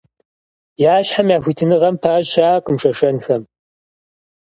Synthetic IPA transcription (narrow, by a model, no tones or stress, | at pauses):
jaːɕħamjaːxʷitʰɨnɨʁɐmpʰaːʑɕaːqəmʂɐʂɐnxɐm